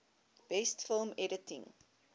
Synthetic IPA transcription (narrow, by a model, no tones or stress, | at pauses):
b̥ɛstfəlˠmɛɾətḭ̃ŋ